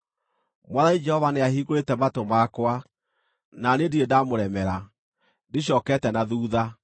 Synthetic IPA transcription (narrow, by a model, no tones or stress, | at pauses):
mwaðaid͡ʒɛhɔvaneahiːɣoɾetɛmatomakwa | nanediedamoɾɛmɛɾa | deɕ̬jɔːkɛtɛnaðuːða